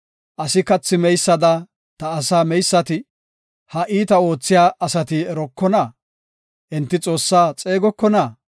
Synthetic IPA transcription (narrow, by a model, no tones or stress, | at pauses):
ʔɐsɪkɐt͡sːɪmɛjsːɐd̪ɐ | t̪ɐːsaːmɛjsːɐt̪ɪ | hɐʔiːt̪ɐo̞ːt͡sːɪjaːɐsɐt̪ɪɛɾɔkːɔnɐ | ʔɛnt̪ːɪt͡sʼo̞ːsːaːt͡sʼe̞ːɡɔkːɔnɐ